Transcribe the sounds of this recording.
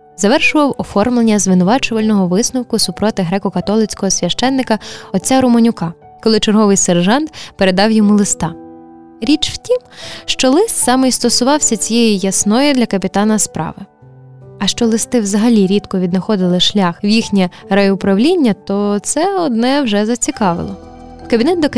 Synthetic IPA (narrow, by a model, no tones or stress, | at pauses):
zɐʋɛrʃʊʋɐwɔfɔrmlˠenʲːɐzʋɪnʊʋɑt͡ʃʊʋɐlʲnɔɦɔʋɪsnɔwkʊsupɾɔt̪ɪɦɾɛkɔkɐt̪ɔlˠɪt͡sʲkɔɦɔsʲʋʲɐʃt͡ʃɛnːɪkɐɔt͡sʲːaɾʊmɔnʲʊkɑ | kɔlˠɪt͡ʃerɦɔʋɪjserʒɑnt̪peɾed̪ɑwjɔmulˠɪst̪ɑ | ɾʲit͡ʃw̥tʲimʃt͡ʃɔlˠɪst̪sɑmɪjst̪ɔsʊʋɑwsʲɐt͡sʲijɛjijɐsnɔjʊd̪lʲɐkɐpʲit̪ɑnɐspɾʔɑ̰ʋɪ | ɐʃt͡ʃɔlˠɪst̪ɪwzɐɦɐlʲiɾʲit̪kɔʋʲid̪nɐxɔd̪ɪlˠɪʃlʲɑxwjixnʲɛɾɐjɔʊpɾɐwlʲinʲːɐt̪ɔt̪sɛɔd̪nɛwʒɛzɐt͡sʲikɑʋɪ̰lˠɔ | wkɐbʲinɛt̪̚d̪ɔ